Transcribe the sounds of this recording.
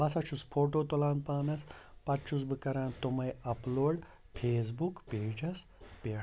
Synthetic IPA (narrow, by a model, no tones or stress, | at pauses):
bɐsɐt͡ʃʰuspʰoːʈoːt̪olaːnpaːnɐspɐtt͡ʃʰus̬bɨkɐɾãːnt̪omɐjɐploːɖ | pʰeːs̬bukpeːd͡ʒɐs | peː